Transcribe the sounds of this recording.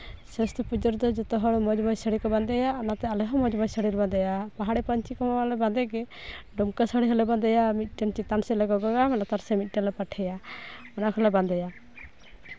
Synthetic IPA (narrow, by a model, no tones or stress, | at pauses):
sɛst̪ɔpud͡ʒɔɾd̪ɔd͡ʒɔt̪ɔɦɔɽɔmɔd͡ʒmɔjsəɽikɔband̪ɛjaɔnat̪ɛalɛɦɔmɔd͡ʒmɔjsəɽiɾband̪ɛjapaɦaɽipɔɲt͡ʃikɔmɔlɛband̪ɛɡɛɖumkasəɽiɦɔlɛband̪ɛjamit̪̚ˀʈɛnt͡ʃit̪ansɛlɛɡɔɡɔɡamɛnat̪aɾsɛmit̪̚ˀʈɛlɛpaʈʰɛjaɔnakʰɔlɛband̪ɛja